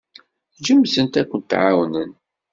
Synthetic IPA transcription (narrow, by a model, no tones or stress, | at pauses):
d͡ʒəmːsənt̪ækʷːənt̪ːʕawnən